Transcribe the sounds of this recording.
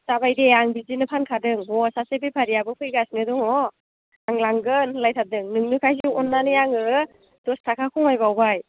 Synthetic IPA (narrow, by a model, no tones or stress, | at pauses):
sabajdeaŋbizinɯpʰankʰadɯŋɔsasepʰepʰaɾijabɯpʰɯjɡasnɯdɔŋɔ | aŋlaŋɡɯnlajtʰadɯŋnɯŋnɯkʰajs̬uɔnːanɯjaŋɯ | d̥ɔstʰakʰakʰɔŋajbawbaj